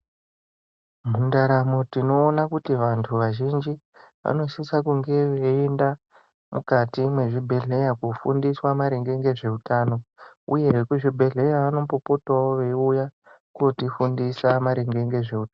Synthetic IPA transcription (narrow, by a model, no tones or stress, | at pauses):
m̤undaɾamo̞tino̞ːnakutiʋantʰuʋaʒind͡ʒi | ʋa̰no̞sisakuŋɡe̞ʋeenda | mukatimwe̞ʐibʱe̞ɮe̞jakufṵndiswamaɾeŋɡe̞ŋɡe̞ʐe̞utaːno̞ṵje̞kuʐibʱe̞ɮe̞jaʋano̞mpo̞po̞twawoʋe̞uja | kuotifundisamaɾeŋɡe̞ŋɡe̞ʐe̞ut